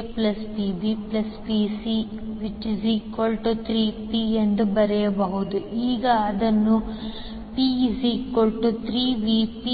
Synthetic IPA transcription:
plɐspibiplɐspisi | ʋit͡ʃːisikolʈut̪ʰɾiːpiend̪ubɐɾɛjɐbɐɦud̪uʔiːɡɐːd̪ɐnːu | pisikolʈut̪ʰɾiːʋipi

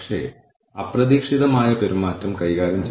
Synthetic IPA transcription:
ʂḛː | ɐprɐðiːkʂiðɐmaːjɐpeɾumaːtːɐmkɐjɣaːɾɐmt͡ɕ

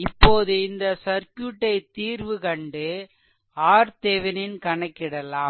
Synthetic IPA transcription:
ɪpːoːðɯɪnd̪ɐsɐɾkjuʈːɐɪt̪iːɾʋɯkɐɳɖɯ | aːɾt̪eːʋɪnɪnkɐɳɐkːɪɽɐlaː

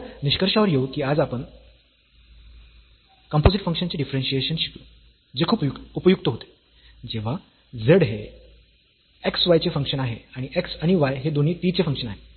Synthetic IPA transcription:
niɕkəɾʂaʋəɾjeukiːad͡zapəɳ | kəmpod͡ziʈfəŋkʂənt͡ɕeɖifɾenɕieɕənɕi̥klo | d͡zekʰuːpjuk̪upəjuk̚t̪əɦot̪e̥ | d͡zeʋ̤a | d͡zəɽɦe | eksʋajt͡sefəŋkʂənaɦeaɽ̃ieksaɽ̃iʋajɦed̪on̤iːt̪it͡sefə̃ŋkʂənaɦe

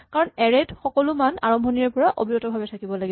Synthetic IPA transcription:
kaɹɔnɛɹɛtxɔkɔlʊmana̰ɹɔmbʱɔniɔɹpɔɹaʔo̰bʱiɹɔtɔbʱabɛtʰakibɔlaɡi

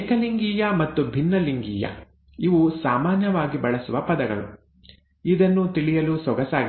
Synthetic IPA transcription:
kɐliŋɡiːjɐmɐt̪ːubʱinːɐliŋɡiːjɐ̰ | iʋusaːmaːnjɐʋaːɡibɐɭɐsuʋɐpɐd̪ɐɡɐ̰ɭṵ | id̪ɐnːut̪iɭijɐlusɔɡɐsaːɡi

